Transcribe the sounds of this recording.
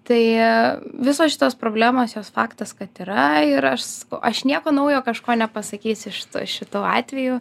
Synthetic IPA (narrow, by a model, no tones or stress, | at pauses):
t̪ɐɪ | ʋʲɪsoːsʃʲɪt̪oːspɾoːbʲlʲæːmoːsjoːsfɑːkt̪ɐskɐt̪iːɾɐɪɾɐʃsɐ̥kɐʊʔɐʃnʲiɛkoːnɐʊjoːkɐʃkoːnʲɛpɐsɐkʲiːsɪʃt̪ṵʃʲɪt̪uːɑ̰ːt̪ʲʋʲɛjuː